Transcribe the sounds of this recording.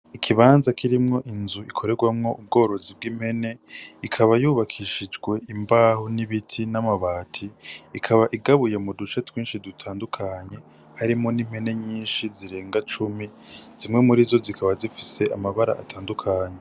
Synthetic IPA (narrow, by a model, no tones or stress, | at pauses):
ikʰiβaːnzakʰiɾimŋo̞ʔinzuʔikʰo̞ɾe̞ɡwamŋo̞ʔub̚ɡo̞ːɾo̞zibɡiːm̥he̞ne̞ikʰaβajuːβakʰiʃid͡ʒɡwe̞ʔimbaːhuniβitʰinamaβaːtʰiːkʰaβaʔiɡaβujemudut͡ʃe̞twiːnʃidutʰaːndukʰaɲe̞ | haɾimŋo̞nim̥he̞ne̞ɲiːnʃiziɾe̞ːŋɡat͡ʃumiz̥imŋe̞muɾizo̞zikʰaβazifi̥se̞ʔamaβaɾa̰ʔatʰaːndukʰaːɲe